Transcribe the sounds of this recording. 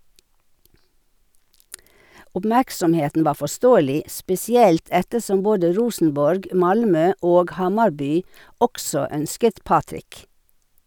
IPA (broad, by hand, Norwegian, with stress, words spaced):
ʊpˈmæksɔmˌheːtn̩ ˈʋɑː fɔˈstoːəlɪ spɛsɪˈɛlt ˈɛtəˌsɔm ˈboːdə ˈɹuːsn̩bɔɹɡ ˈmɑlˌmøː ˈoːɡ ˈhɑmɑɾˌbyː ˈɔksɔ ˈœnskət ˈpɑːtɾɪk